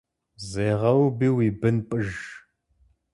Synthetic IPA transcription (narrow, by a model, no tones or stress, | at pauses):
zeːʁɐwbiːwiːbɨnpʼɨʒ